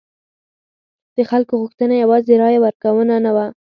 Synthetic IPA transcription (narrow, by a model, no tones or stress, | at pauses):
d̪̥əxalkoɣʊxt̪ənajawɑzeɾɑjawəɾkawənanawa